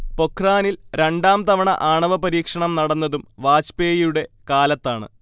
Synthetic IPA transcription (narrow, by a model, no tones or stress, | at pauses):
po̞kʰraːnilɾe̞ɳɖaːmt̪ɐʋɐɳɐ̰ʔaːɳɐʋɐpɐɾiːkʂɐɳɐmnɐɽɐnːɐðumʋaːt͡ɕpeːjjuɽe̞kaːlɐt̪ːaːɳɨ̰